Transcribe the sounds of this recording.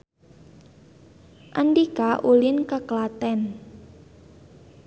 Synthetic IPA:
ʔandikaʔulɪnkəklat̪ɛn

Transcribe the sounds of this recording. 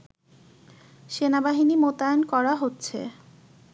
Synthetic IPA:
ʃenabaɦinimot̪aenkɔɾaɦotːɕʰḛ

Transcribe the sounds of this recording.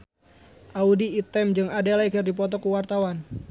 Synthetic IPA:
ʔaudiːt̪ɛmd͡ʒɨŋadalaikɨrdipɔt̪ɔkuwart̪awan

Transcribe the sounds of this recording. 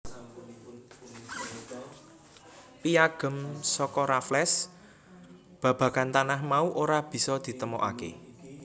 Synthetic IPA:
pijaɡ̥ə̤msɔkɔɾaflɛs | b̥ä̤b̥ä̤kant̪anahmauʔoɾab̥i̤sɔd̪̥i̤t̪əmɔ̰ʔa̰kḛ

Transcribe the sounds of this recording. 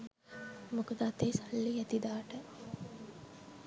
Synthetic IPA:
mukud̪at̪eːsɐlːijɛt̪id̪aːʈə

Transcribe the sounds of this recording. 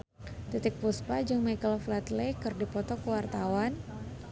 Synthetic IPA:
dit̪ɪk̚puspad͡ʒaŋmajkəlɔflat̪lekɨrdipɔt̪ɔkəwart̪awan

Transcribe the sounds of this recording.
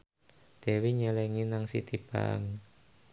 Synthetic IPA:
d̪̥ɛ̤wiɲɛlɛŋinaŋsit̪ib̥a̰ŋ

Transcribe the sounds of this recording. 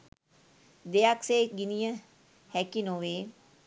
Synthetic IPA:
d̪eakseːɡɪnijã | hɛːkinoːʋeː

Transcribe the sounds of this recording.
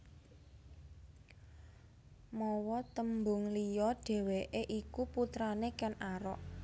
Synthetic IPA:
mɔwɔt̪əmbʊŋlijɔɖ̥e̤weʔeʔikuput̪ɾanekɛnaɾɔ̰ʔ

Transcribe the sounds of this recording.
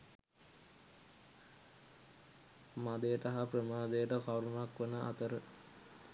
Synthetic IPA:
mad̪ejəʈaɦaprəmaːd̪ejəʈəkawɾunakʋənəʔa̰t̪əɾə

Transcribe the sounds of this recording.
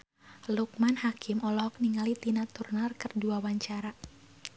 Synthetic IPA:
luk̚manhakʰɪmʔɔlɔhɔk̚niŋalit̪inat̪urnarkɨrduawaɲt͡ʃaɾa

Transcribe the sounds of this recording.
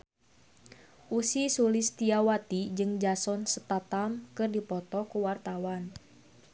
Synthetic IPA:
ʔusisulist̪iawat̪id͡ʒɨŋd͡ʒasɔnsə̥t̪at̪amkɨrdipɔt̪ɔkuwart̪awan

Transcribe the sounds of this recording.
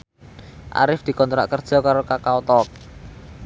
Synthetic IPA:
ʔa̰ɾɪfd̪̥i̤kɔnt̪ɾa̰ʔkərd̥ʒ̥ɔ̤kaɾokakaot̪ɔk̚

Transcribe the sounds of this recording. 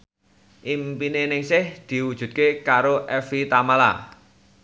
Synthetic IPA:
ʔimpinenɪŋsɪhd̪̥i̤wud̥ʒ̥ṳt̪̚kekaɾoʔɛfit̪amala̰

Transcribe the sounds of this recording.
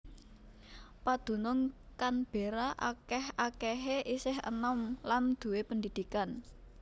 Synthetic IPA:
pad̪̥ṳnʊŋkanb̥e̤ɾaʔa̰kɛhʔakɛɦeʔisɪɦə̰nɔmland̪̥ṳwepənd̪id̪̥i̤kan

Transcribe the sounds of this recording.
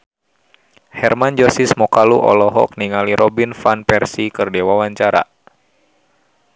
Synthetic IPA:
hɛrmand͡ʒɔsismɔkaluʔɔ̰lɔɦɔ̰k̚niŋaliɾʔɔbinfanpɛrsikɨrdɛwawaɲt͡ʃaɾa̰

